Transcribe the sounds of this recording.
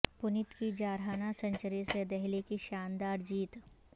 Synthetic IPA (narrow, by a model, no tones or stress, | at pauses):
pʊnɪt̪kid͡ʒaːɾɦaːnasɐ̃ɲt͡ʃəɾesed̪ɛɦlekiʃaːnd̪aːɾd͡ʒiːt̪